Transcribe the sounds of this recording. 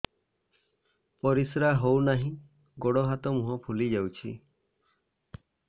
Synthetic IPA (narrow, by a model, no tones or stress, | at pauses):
pɔɾisɾaɦownaɦĩ | ɡɔɽɔɦat̪ɔmuɦɔ̃pʰulid͡ʒawt͡ʃʰḭ